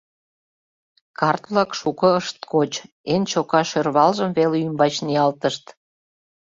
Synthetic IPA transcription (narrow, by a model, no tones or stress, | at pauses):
kɑrt̪βlɑkʃukɤ̆əʃt̪̚kot͡ɕ | ent͡ɕokɑʃørβɑlʒəmveleymbɑt͡ɕniɑlt̪əʃt̪